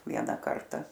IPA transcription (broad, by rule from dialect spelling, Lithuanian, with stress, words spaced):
ˈʋʲiɛnɐ ˈkɐrtɐ